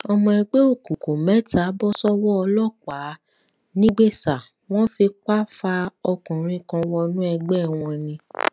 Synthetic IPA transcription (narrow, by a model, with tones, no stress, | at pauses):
ɔ˧mɔ̃˧ɛ˧ɡ͡be˦o˦˨kũ˨ko˨mɛ˨˦ta˨˦bɔ˦sɔ˦wɔ˦ɔ˧lɔ˦˨k͡pa˨˦ | nĩ˦ɡ͡be˦˨sa˨ | w̃ɔ̃˦fi˧k͡pa˦fa˧ɔ˧kɔ̃˨ɾ̃ĩ˦˧kã˧wɔ˧nũ˦ɛ˧ɡ͡bɛ˦˨w̃ɔ̃˧nĩ˧